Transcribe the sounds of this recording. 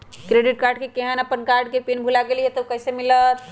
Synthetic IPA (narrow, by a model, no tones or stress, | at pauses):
kɾeɖiʈ̚kaɾɖkekeɦənəpənkaɾɖkepinbʱulaɡeliɦet̪ɔukəjsemilət̪ʰ